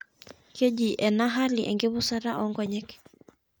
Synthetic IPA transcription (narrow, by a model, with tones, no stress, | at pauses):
kʰe˦d͡ʒi˨ʔɛ˨naɦa˦liʔɛ̰˨ŋɡɪ˦bʊ˦saɾa˦ʔɔŋɡɔɲɛk